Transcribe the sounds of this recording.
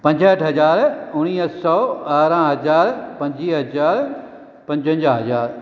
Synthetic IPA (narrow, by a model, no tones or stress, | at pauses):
pɐ̃ɲd͡ʑʱəʈʰɦɐzaːɾʊɽ̃iːɦsɔːaːɾãːɦɐzaːɾpɐ̃ɲd͡ʑiːɦɐzaːɾ | pɐ̃ɲd͡ʑʱə̃ɲd͡ʑaɦɐzaːɾ